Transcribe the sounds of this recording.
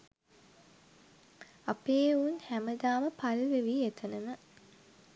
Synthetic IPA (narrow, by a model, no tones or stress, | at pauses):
apeːunhæməd̪aːməpalʋeʋiːet̪ʰənəmə